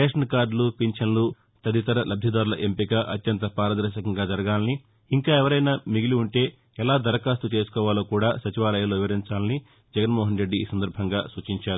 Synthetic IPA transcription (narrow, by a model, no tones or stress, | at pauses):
eːʂɐnkaːɖlupiɲt͡ʃɐnlu | t̪ɐd̪it̪ɐɾɐlɐbʱjɐd̪aːɾulɐʔempikɐʔɐt̪jɐnt̪ɐpaːɾɐd̪ɐɾʃɐkɐŋɡaːd͡ʒɐɾɐɡaːlɐniː | ŋkaːɛʋɐɾɐjnamiɡiluuɳʈe̞ː | ɛlaːd̪ɐɾɐkaːst̪ut͡ʃe̞ːsu̥kɔːʋaːloːkuːɽaːsɐt͡ʃiʋaːlɐjaloːʋiʋɐɾiɲt͡ʃaːlɐni | d͡ʒɛɡɐnmɔːɦɐnɾe̞ɖːiːsɐnd̪ɐɾbʱɐŋɡaːsuːt͡ʃiɲt͡ʃaːɾu